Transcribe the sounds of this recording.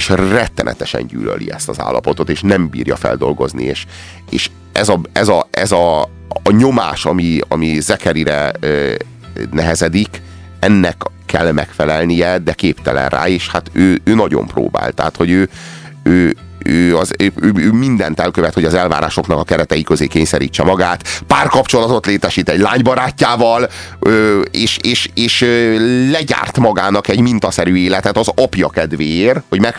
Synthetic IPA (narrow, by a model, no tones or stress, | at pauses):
eːʃrɛt̪ːɛnʔɛ̰t̪ɛʃɛ̰ɲɟy̰ːlø̰lḭɛst̪ɒza̰ːlːɒpo̞t̪o̞t̪eːʃnɛmbḭːrjɒfɛ̰ld̪o̞lɡo̞znḭeːʃ | eːʃ | ɛzɒɛzɒɛzɒː | ɲo̞maːʃɒmiɒ̰mizɛkɛɾiɾɛː | nɛɦɛzɛd̪ik | ɛnːɛkʰː | ɛlmɛkfɛlɛlnijɛd̪ɛkeːpt̪ɛlɛ̰nra̰ːeːʃhat̪øːøːnɒɟo̞̰mpro̰ːba̰ːlt̪ɛɦat̪ho̞ɟøː | øː | øːɒzøːøːmind̪ɛ̰nt̪ɛlkøvɛt̪ho̞ɟɒzɛlva̰ːɾa̰ːʃo̞knɒkɒkɛɾɛt̪ɛjikøzeːkeːɲsɛɾḭːt͡ʃːɛmɒɡaːt̪paːrkɒpt͡ʃo̞lɒt̪o̞t̪leːt̪ɛʃiːt̪ɛɟlaːɲbɒɾaːcːaːvɒløːeːʃeːʃeːʃølɛɟa̰ːrt̪mɒɡaːnɒkɛɟmint̪ɒsɛɾyːeːlɛt̪ɛt̪ɒzɒpjɒkɛd̪ʋeːrho̞ɟmɛk